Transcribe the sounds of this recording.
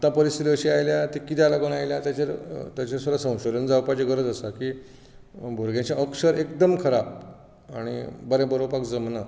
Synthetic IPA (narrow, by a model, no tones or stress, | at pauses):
t̪ãpəɾist̪it̪iəɕiːajljat̪ikit̪ʰalaɡənajljat̪jat͡ɕeɾt̪jat͡ɕesod̪asə̃w̃ɕod̪ənd͡zawpajd͡ʑeɡəɾəd͡z̪əsakiː | bʱuɾɡjãt͡ɕãʔəkʂəɾekd̪əmkʰəɾap̚ | aɽ̃ḭbəɾẽbəɾopakd͡zəmna